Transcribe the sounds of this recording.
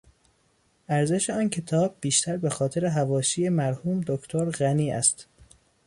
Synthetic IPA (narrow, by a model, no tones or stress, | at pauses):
ʔæɾze̞ʃeɒːncʰe̞t̪ʰɒːb̚ːiːʃt̪ʰæɾbe̞xɒːt̪ʰe̞ɾe̞ɦævɒːʃiːjemæɾhuːmd̪okʰt̪ʰoɾɣæniːæ̰st̪